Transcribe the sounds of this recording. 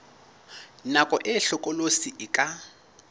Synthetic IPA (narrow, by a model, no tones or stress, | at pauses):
nakʼɔʔɪɬʊkʼɔlosiʔɪkʼa